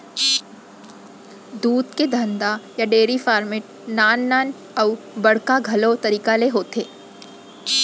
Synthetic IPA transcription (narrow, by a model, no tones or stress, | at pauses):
d̪uːd̪ked̪ʱə̃nd̪ajaɖeːɾifaːɾmɪʈ̚ | naːnːaːn | ɐʊ | bɐɽ̤kaɡʱɐlot̪ɐɾiːkaleɦoːt̪eː